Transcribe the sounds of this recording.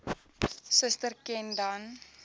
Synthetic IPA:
səstərkɛndɐn

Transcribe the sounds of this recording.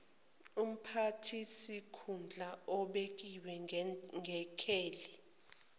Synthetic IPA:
um̩pʰatʰisikʰund͡ɮʱaɔɓek̬ʼiwɛŋɡʱɛkʰeːli

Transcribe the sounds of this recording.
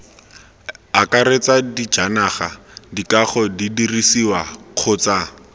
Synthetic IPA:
akaɾet͡sadid͡ʒanaχa̰dikaχɔdidirisiwaq͡χʰʊːt͡sa

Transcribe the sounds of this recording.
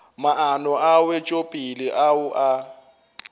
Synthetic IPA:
maʔanɔʔawɛt͡ʃʼopʼilɪʔaʊʔa

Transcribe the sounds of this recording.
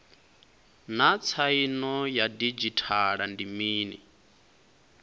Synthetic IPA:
nat͡sʰainɔjadid͡ʒitʰaɺandimiːnḭ

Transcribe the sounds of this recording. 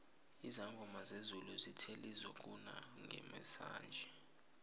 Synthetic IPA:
izaŋɡʱɔmazezuluzitʰelizɔk̬ʼuna̰ŋʱɛ̰mɛsa̰ːnd͡ʒʱɛ

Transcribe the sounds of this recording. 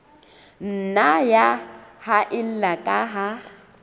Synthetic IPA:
n̩najahaʔɪl̩lakʼaɦa

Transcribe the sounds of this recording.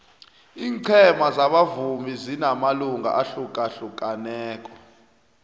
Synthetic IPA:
iːŋǀʰɛmazaɓavumizinamaluŋɡʱa̰ʔaɬukʼaɬuk̬ʼanɛːkʼɔ̥

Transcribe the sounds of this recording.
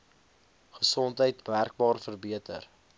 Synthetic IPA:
χəsɔntɦəjtmærk̚bɑːrfərbiətər

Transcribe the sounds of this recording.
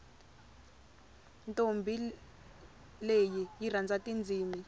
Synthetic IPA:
ntʼombʱi | lejijirand͡zʱatʼind͡zʱiːmi

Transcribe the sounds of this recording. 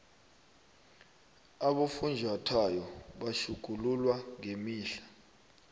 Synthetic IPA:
aɓofund͡ʒʱatʰajɔɓaʃuɡ̥ʱululwaŋemiːɬḁ

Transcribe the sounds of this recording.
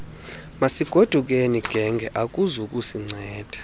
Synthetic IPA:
masiɡ̥ʱod̥ʱuk̬ʼeniɡ̥ʱɛŋɡʱɛʔak̬ʼuzuk̬ʼusiŋ͡ǀʱɛːd̥ʱḁ

